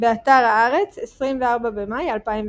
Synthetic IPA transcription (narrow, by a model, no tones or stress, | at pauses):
beat̪aʁaaʁɛt͡sɛsʁimvɛaʁbabɛmajalpaim